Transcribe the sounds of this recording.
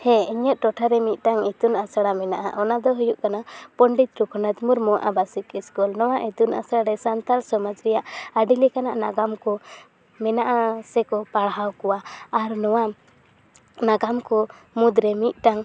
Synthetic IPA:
hɛiɲɛt̪̚ˀʈɔʈʰaɾɛmit̪̚ˀʈaŋɛt̪unasaɽamɛna̰ʔa̰ʔɔnad̪ɔɦujuʔkanapɔɳɖit̪ɾukʰɔnat̪muɾmɔʔa̰basikiskɔlnɔwaʔit̪una̰saɽaɾɛsant̪alsɔmad͡ʒɾɛjaʔaɖilikanaʔnaɡamkɔ | mɛnaʔasɛkɔpaɽɦawkɔwaːɾnɔwa | naɡamkɔmud̪ɾɛmit̪̚ˀʈaŋ

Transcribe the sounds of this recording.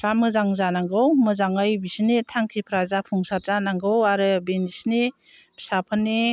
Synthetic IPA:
pʰɾamɯzaŋzanaŋɡɯwmɯzaŋɯjbisnitʰaŋkʰipʰɾazapʰuŋsaɾzanaŋɡɯwaɾɯbenisni | bʰsapʰɯnːi

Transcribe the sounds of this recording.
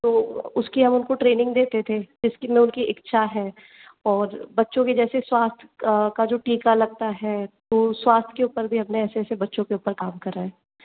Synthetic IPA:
t̪oːʊskiɦɐmʊnkoʈɾeːnɪ̃ŋɡd̪eːt̪et̪ʰed͡ʒɪskimẽʊnkiʔɪkʃʰaɦɛː | ɔːɾbɐtːʃõked͡ʒɛːseswaːst̪ʰkad͡ʒoːʈiːkalɐɡ̚t̪aɦɛːt̪oːswaːst̪ʰkeʊpəɾbʱiɦɐpneɛːsesebɐtːʃõkeʊpəɾkaːmkɐɾaɦɛː

